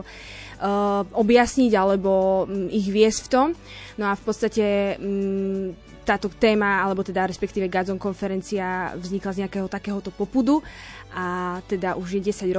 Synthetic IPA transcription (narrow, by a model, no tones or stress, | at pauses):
ʔɔbjasɲiɟalɛbɔiɣʋɪɛscft̪ɔm | nɔafpɔt̪st̪acɛ | t̪aːt̪ɔt̪ɛːmaalɛbɔt̪ɛd̪aɾɛspɛkt̪iːʋɛɡad͡zɔŋkɔnfɛɾɛnt͡siavzɲiklazɲɛakɛːɦɔt̪akɛːɦɔt̪ɔpɔpud̪u | ʔat̪ɛd̪aʔuʒjɛɟɛsaɟɾɔ